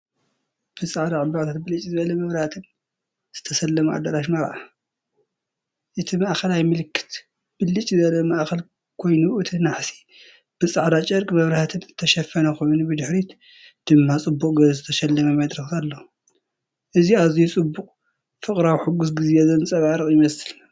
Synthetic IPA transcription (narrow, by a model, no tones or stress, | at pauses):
b̥ɨsʼaʕd̪aʕɨbːaʕt̪ʰat̪bɨlɨt͡ʃʼːizɨβɐlɐmɐβɾɐhat̪ʰɨn | z̥ɨt̪ʰɐsɐlːɐmuʔa̰d̪ɐɾaʃ̬mɐɾʔa | ʔɨt̪ʰimaʔxɐlajmɨlɨkːɨ̥t̪ | b̥ɨlɨt͡ʃʼːizɨbɐlɐmɐʔxɐl | kʰo̞jnuʔɨt̪ʰɨnaħsi̥ | b̥ɨt͡sʼaʕd̪at͡ʃʼɐɾkʼimɐβɾɐhat̪ʰɨnzɨt̪ʰːɐʃɐfɐnɐko̞jnubɨd̪ɨħɾit̪ | d̪̥ɨmːat͡sʼɨbːukʼɡɐzɨt̪ʰɐʃɐlːɐmɐmɐd̪ɾɐxkʰalːo | ʔɨziaβzijut͡sʼɨbːuqʼ | fɨkʼɾawħuɡus̬ɡɨzezɨnt͡sʼɐβaɾɨχʼjɪmɐsɨl